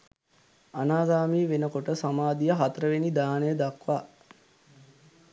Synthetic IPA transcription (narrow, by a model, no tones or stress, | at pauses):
anaːɡaːmiːʋenəkoʈəsamaːd̪ijəɦat̪əɾəʋenid̪aːnəjəd̪akʋaː